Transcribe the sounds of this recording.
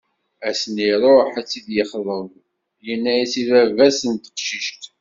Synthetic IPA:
æsəniɾˤoħæt͡sːid̪jəχðˤəð | jənːæjisivævæsənt̪ə̥qʃiʃt̪

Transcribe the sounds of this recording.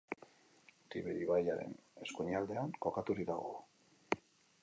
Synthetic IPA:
t̪iβeɾiβajaɾe̞̰ne̞skuɲald̪e̞aŋko̞kat̪uɾiðaɣ̞o̞̰

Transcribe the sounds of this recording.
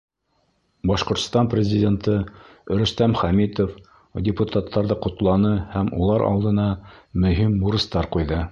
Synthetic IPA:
bɑʃqŏɾt̪st̪ɑnprʲɪzʲɪdʲent̪ɤ | ɵ̆ɾɵ̆st̪æmχæmit̪of | dʲɪput̪at̪ːɑɾðɤqŏt̪lˠɑnɤhæmṵlˠɑɾʔɑ̰lˠd̪ɤ̆nɑmɵ̆ɦimːuɾɤ̆st̪ɑɾqujðɤ

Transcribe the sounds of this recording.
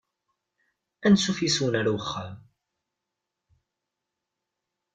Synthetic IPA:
ænsufisuwənaɾawəχːam

